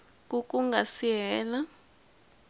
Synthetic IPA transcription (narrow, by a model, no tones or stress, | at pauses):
k̬ʼuk̬ʼuŋɡʱasiɦɛːla